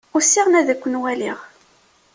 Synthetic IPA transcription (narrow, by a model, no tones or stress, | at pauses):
ʊsːiʁnæðækʷːənwæliʁ